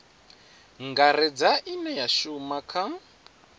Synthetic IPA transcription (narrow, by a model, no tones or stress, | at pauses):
ŋɡaɾɛd͡zaʔinɛjaʃumakʰa